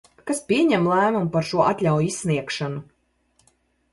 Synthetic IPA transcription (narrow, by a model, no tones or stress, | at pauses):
kaspʲiɛɲɛmlˠæːmumpaɾʃuɔʔat̪ʲlʲawjisʲːniɛkʃanu